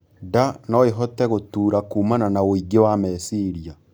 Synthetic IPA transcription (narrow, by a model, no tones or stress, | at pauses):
danɔeɦɔtɛɣotuːɾakuːmananaoiɡewamɛsiɾia